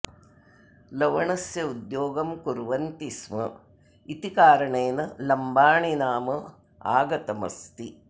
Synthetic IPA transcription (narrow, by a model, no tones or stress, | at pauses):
lɐʋɐɳɐsjɐud̪joːɡɐmkuɾʋɐnt̪ismɐ | it̪ikaːɾɐɳeːnɐlɐmbaːɳinaːmɐ | a̰ːɡɐt̪ɐmɐ̰st̪i